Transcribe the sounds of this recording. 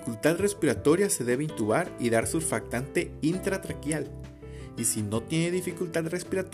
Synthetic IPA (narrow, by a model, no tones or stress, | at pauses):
kult̪aðre̞spiɾat̪o̞ɾjase̞ðe̞βeint̪uβaɾiðaɾsufak̚t̪ant̪e̞int̪ɾat̪ɾakjal | isino̞t̪je̞ne̞ðifikult̪aðre̞spiɾat̪